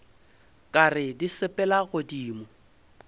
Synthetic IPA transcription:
kʼarɪdisɪpʼɛlaɣʊdiːmɔ

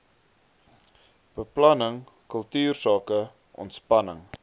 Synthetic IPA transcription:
b̥əplɐnəŋ | kəlˠtyːrsɑːkə | ʔɔ̰ntspɐnəŋ

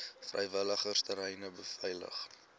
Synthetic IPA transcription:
frʔɛ̰jvələχərstəɾɛjnəbəfɛjlə̰χ

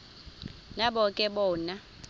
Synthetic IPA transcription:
naɓɔkʼɛɓɔːna

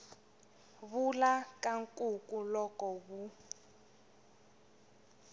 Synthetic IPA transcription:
βulakaŋkʼukʼulɔkɔβu

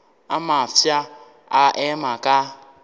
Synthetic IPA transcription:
amafja | aʔɛmakʼa

